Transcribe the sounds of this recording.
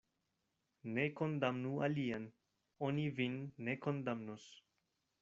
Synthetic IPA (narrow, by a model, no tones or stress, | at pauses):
ne̞ko̞ndamnua̰lian | onivinːe̞ko̞ndamnos